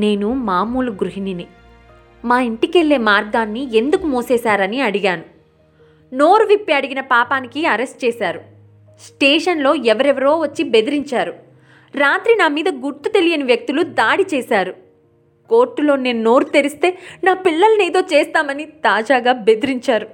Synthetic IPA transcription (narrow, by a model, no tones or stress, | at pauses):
ne̞ːnumaːmuːlɐɡɾuɦinini | maːiɳʈike̞lːeːmaːɾɡaːnːie̞nd̪ukumoːsɛːsaːɾɐniɐɽiɡaːnu | no̞ːɾuʋipːiɐɽiɡinɐpaːpaːnikiɐɾesʈ̚t͡ʃɛːsaːɾu | sʈeːʂɐnlo̞ːɛʋɐɾɛʋɐɾo̞ːʋɐt͡ʃːibe̞d̪iɾiɲt͡ʃaːɾu | ɾaːt̪ɾinaːmiːd̪ɐɡuɾt̪ut̪e̞lijɐniʋjɐk̚t̪ulud̪aːɽit͡ʃɛːsaːɾu | ko̞ːɾʈːulo̞ːne̞ːnuno̞ːɾut̪eɾist̪e̞ːnaːpiɭːɐlɐneːd̪o̞ːt͡ʃeːst̪aːmɐnit̪aːd͡ʒaːɡaːbe̞d̪iɾiɲt͡ʃaːɾu